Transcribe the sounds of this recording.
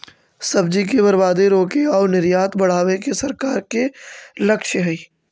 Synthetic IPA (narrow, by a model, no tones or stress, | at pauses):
sɐbd͡ʒikebɐɾbaːd̪eɾoːkeɔːɾnɪɾjaːt̪bɐɽ̤aːʋekesɐɾkaːɾkelɐkʃɦɛiː